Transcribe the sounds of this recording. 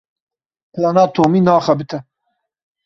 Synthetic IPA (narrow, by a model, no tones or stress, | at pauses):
pʰlanaːt̪ʰoːminaːχɐbit̪ʰɐ